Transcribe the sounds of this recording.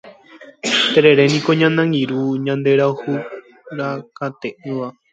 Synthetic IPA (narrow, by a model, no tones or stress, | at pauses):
t̪eɾe̞ɾenĩkoɲãnãŋɡiɾuɲãnd̪e̞ɾaohu | ɾakat̪eʔɨ̃ʋa